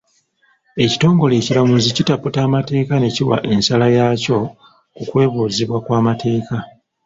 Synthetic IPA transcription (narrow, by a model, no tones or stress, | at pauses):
e̞ci̥to̞ːŋɡo̞le̞ːcilamuzicitaputaːmate̞ːkane̞ciwa̰ʔe̞nsalajaco̞ | kukwe̞ːβuːziβwakwaːmate̞ːka